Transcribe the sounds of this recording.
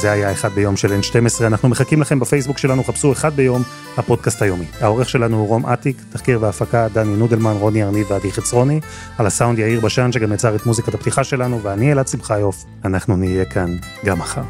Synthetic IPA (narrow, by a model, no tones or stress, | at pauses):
zeajae̞χad̪̚be̞jo̞mʃelenʃte̞mesʁeanaχnume̞χakimlaχe̞mbafejsbukʃe̞lanuχapsue̞χad̪̚bejo̞m | hapo̞d̪̚kastajo̞miao̞ʁeχʃe̞lanuhuʁo̞mʔa̰t̪ikt̪aχkiʁveaːfakad̪aninudelmanʁo̞niaʁniveadiχet͡sʁo̞ni | alasawund̪jaiʁbaʃanʃe̞ɡamjat͡saʁet̪muzikatapt̪iχaʃe̞lanuveanielat͡simχajo̞f | anaχnunije̞kʰan | ɡamaχa̰ʁ